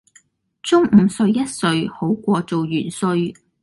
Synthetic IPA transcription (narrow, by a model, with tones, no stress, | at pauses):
t͡sʊ˥ŋm̩˨˩sɵ˧ɥjɐ˥t̚sɵ˧ɥho˨˥wkʷɔː˧t͡so˨wjyː˨˩nsɵ˧ɥ